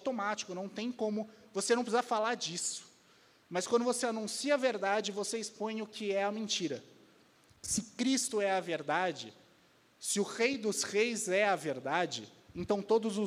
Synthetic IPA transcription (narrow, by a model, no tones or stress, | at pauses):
t̪omat͡ʃi̥kʊnɐ̃w̃t̪ẽj̃kõmʊvosenɐ̃w̃pɪsizaɐfalaɾd͡ʒisʊ̥ | mɐskwɐ̃d̪ʊvoseanũsiɐːveɾd̪ad͡ʒɪvoseispõj̃ʊkʰɪɛɐmẽnt͡ʃiɾɐ | sɪkɾist̪ʊɛɐveɾd̪ad͡ʒɪ̰ | sɪʊʁejd̪ʊsʁejzɛɐveɾd̪ad͡ʒɪ | ẽnt̪ɐ̃w̃t̪od̪ʊzʊ